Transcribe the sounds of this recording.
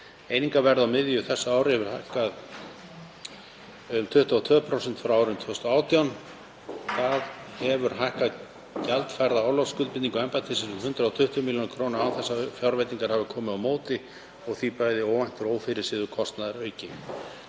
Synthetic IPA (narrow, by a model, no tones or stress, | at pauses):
eːjniŋkavɛɾðawmɪðjʏθɛsːaaːwɾɪhɛvʏɾ̥hajhkað | ʏmt̪ʰʏht̪aɔt̪ʰvœːpʰɾowsɛnt̪fɾawaːwɾɪmt̪ʰɛːʏst̪ɔaːwt̪iɔn | θaðhɛvʏɾ̥ɦajhkað | calt̪fajɾðaaːwlawskʏlpɪniŋkɔɛmpat̪ʰisɪsʏmhʏnt̪ɾaawt̪ʰʏht̪ʏmiljonkʰɾoːwnaaːwθɛsːafjawɾvɛjt̪iŋkaɾ̥havɪkʰɔːmɪðawmoːwt̪ɪ | ɔɣθipajðɪoːwvajn̥t̪ʏɾoːwfɪɾɪɾ̥sɪːðʏkʰɔst̪naðaɾœːɥcɪ